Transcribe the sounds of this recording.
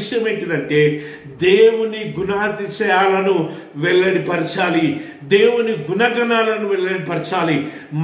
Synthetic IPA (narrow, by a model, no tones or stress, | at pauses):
ʃjɐme̞ːɳʈid̪ɐɳʈe̞ː | d̪eːwuniɡunaːt̪it͡ʃɐjaːlɐnu | ʋɛɭːɐɽipɐɾit͡ʃaːli | d̪e̞ːwuniɡunɐɡɐnaːlɐnuʋɛɭːɐɽipɐɾit͡ʃaːli | m